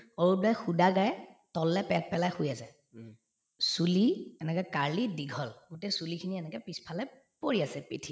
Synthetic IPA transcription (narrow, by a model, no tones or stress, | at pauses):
oɹuajxudaɡajɛtɔlːɛpɛt̚pɛlajxʊjasɛ | suliɛnɛkɔɛkaɹlidiɡʱɔlɡutɛsulikʰiniɛnɛkɛpispʰalɛ | poɹiasɛpitʰi